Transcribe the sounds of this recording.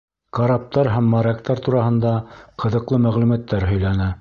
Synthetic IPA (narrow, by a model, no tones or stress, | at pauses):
kɑɾɑp̚t̪ɑɾɦæmːɑɾɑkt̪ɑɾt̪uɾɑɦɤ̆nd̪ɑqʰɤ̆ðɤ̆qlˠɤmæʁlʉmæt̪ːæɾɦɵ̆jlænæ